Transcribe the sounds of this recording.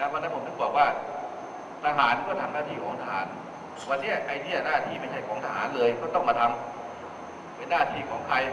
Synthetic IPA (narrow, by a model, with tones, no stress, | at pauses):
na˦˥pʰa˧na˧˥pʰo˧˩n̚t̪ɯː˥˩bɔː˨˩k̚waː˥˩ | t̪ʰa˧ɦaː˩˦nkɔː˥˩t̪ʰa˧ŋnaː˥˩t̪ʰiː˧˩kʰɔː˩˦ŋt̪ʰa˧ɦaː˩˦n | waː˧tni˥˩ɐʔa˧jni˦˥˩ɐ˨naː˥˩t̪ʰiː˥˩ma˧˩nha˧˩jkʰɔː˩˦ŋt̪a˧ɦaː˩˦nlɤː˧jkɔː˥˩t̪ɔ˥˩ŋma˧t̪ʰa˧m | pe˧nːaː˥˩t̪ʰiː˧kʰɔː˩˦ŋkʰa˧j